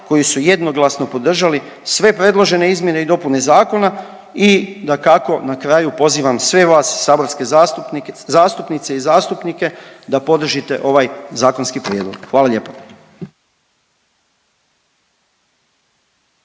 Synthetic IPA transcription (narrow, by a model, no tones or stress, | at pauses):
ko̞jisuje̞d̪no̞ɡlˠasno̞po̞d̪r̩ʒali | sʋe̞pɾe̞d̪lˠo̞ʒe̞ne̞izmje̞ne̞id̪o̞pune̞zaːko̞na | id̪akako̞nakɾajupo̞ziːʋamsʋe̞ʋaːsːaːbo̞ɾske̞zuzaːst̪upnit̪se̞izaːst̪upnike̞d̪apo̞d̪r̩ʒit̪e̞̰ʔo̞ʋajzaːko̞nskipɾjeːd̪lo̰ɡ̥xʋaːlaʎe̞ːpḁ